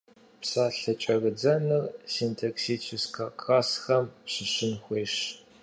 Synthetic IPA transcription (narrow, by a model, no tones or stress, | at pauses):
psaːɬɐt͡ʃʼɐɣɨd͡zɐnɨrsiːntʰoksit͡ʃʰɪskʰɐkʼasxɐmpɕɪɕɪnxʷeːɕ